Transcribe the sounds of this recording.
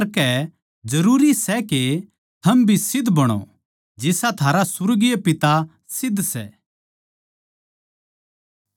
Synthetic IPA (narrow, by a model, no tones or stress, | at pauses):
ɾkɛ | d͡ʒɐɾuːɾisɛke | t̪ʰɐmbʱisɪd̪ʱbɐɽ̃o̰ | d͡ʒɪsat̪ʰaːɾasʊɾɡijepɪt̪a | sɪd̪ʱːsɛ̰